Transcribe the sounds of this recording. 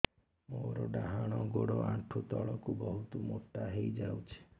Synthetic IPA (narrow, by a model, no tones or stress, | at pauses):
moɾɔɖaɦaɽ̃ɔɡoɽoʔaʈʰut̪ɔɭɔkubɔɦut̪ɔmoʈːaɦejd͡ʒawt͡ʃʰe̥